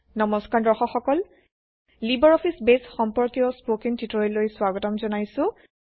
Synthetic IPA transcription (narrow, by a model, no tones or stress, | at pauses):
nɔmɔskaɹdɔxɔxɔkɔl | libɔɹɔpʰisbesxɔmpɔɹkiɔspokiŋtitɔɹɔjlojswaɡɔtɔmzɔnajsʊ̃